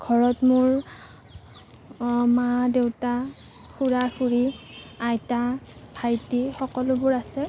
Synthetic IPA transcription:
ɡ̥ʱɔɹɔtmʊɹ | madewta | xuɹaxuɹiajtabʱajtixɔkɔlʊbʊɹasɛ

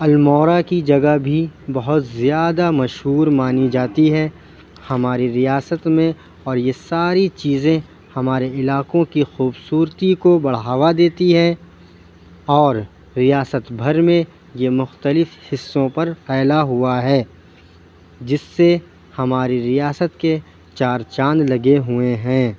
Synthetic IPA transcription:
ɐlmɔːɾakid͡ʒɐɡabʱibɐɦʊt̪zjaːd̪amɐʃɦuːɾmaːnid͡ʒaːt̪iɦɛ | hɐmaːɾiɾijaːsət̪mẽ | ɔːɾjesaːɾit͡ʃiːzẽ | hɐmaːɾeɪlaːkõkixuːbsuːɾt̪ikobɐɽ̤ɦaːʋad̪eːt̪iɦɛ̃ | ɔːɾː | ijaːsət̪bʱɐɾmẽ | jemʊxt̪əlɪfhɪsːõpɐɾpɛːlaɦʊaɦɛː | d͡ʒɪsːe | hɐmaːɾiɾijaːsət̪ke | t͡ʃaːɾt͡ʃãːnd̪lɐɡeɦʊeɦɛ̃ː

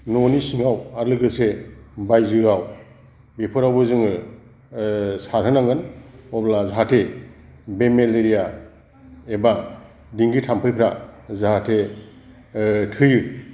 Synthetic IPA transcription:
nɔnisiŋawaɾlɯɡɯsebajzɯɾaw | bepʰɯɾawbɯzɯŋɯ | saɾɦɯnaŋɡɯnɔblazaɦatʰe | bemeleɾija | eba | diŋɡitʰampʰɯjpʰɾazaɦatʰe | tʰɯjɯ

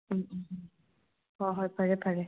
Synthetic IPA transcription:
ɦɔɦɔjpaɹɛpaɹɛ

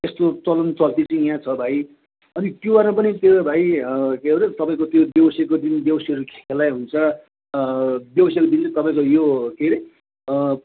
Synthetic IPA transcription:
t̪est̪ot͡sʌlʌnt͡sʌlt̪it͡sʌĩjãt͡sʰʌbʱaj | ʌnit̪jobaɾʌpʌnit̪ebʱaikeɾʌt̪ʌpaĩkot̪jobjʌwʌsjakod̪inbjʌbʌsjeɦʌɾukʰe̥kelajɦunt͡sʰʌ | bjʌbʌsjakod̪int͡sʌ̃t̪ʌpaĩkojokeɾe

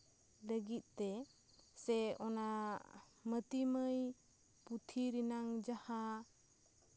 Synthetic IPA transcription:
ləɡit̪̚t̪ɛ | sɛɔna | mət̪iməj | put̪ʰiɾinaŋd͡ʒaha

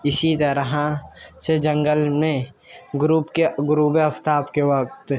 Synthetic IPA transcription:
ɪsit̪əɾəɦased͡ʒə̃ŋɡəlmẽ | ɡɾuːpkeɡʊɾuːbeɐpt̪aːbkewɐk̚t̪

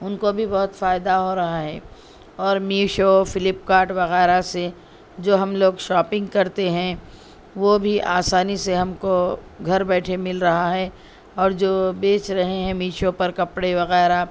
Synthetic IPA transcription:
ʊnkobʱibɐɦʊt̪faːɪd̪aɦoɾɐɦaɦɛː | ɔːɾmiːʃofɪlɪpkaːɾʈʋɐɣɛːɾase | d͡ʒoːɦɐmloːɡʃɔːpɪ̃ŋɡkɐɾt̪eɦɛ̃ | ʋobʱiʔaːsaːniseɦɐmko | ɡʱɐɾbɛːʈʰemɪlɾɐɦaɦɛː | ɔːɾd͡ʒoːbeːt͡ʃɾɐɦeɦɛ̃miːʃopɐɾkɐpɽeʋɐɣɛːɾa

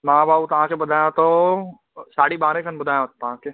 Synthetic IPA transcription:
maãbaːbut̪ɐɦãkebɐd̪ʱaːjãt̪o | saːɽibaːɾẽkʰɐnbʊd̪ʱaːjat̪ːɦãke

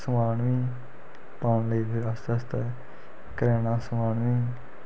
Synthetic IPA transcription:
səmaːnmĩː | paːnliːbɪast̪ɛst̪ɛː | kɾɛːnãːsəmaːnmiː

